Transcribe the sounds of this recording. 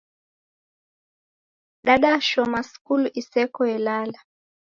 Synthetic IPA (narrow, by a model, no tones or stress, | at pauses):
ɗaɗaʃɔmaskulisɛkɔɛlala